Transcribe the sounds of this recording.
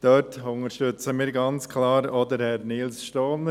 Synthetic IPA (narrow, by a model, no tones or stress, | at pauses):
d̥œɾtʊŋəʃtʏt͡səmiːɾɡɑnt͡skʰlɑːɾɔd̪əɾhɛɾniːlsʃtɔːn